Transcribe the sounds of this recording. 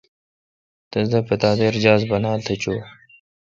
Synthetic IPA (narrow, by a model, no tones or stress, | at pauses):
t̪ɐzd̪ɐpɐt̪aːd̪eɾd͡ʑaːzbɐnaːlt̪ʰɐt͡ɕoː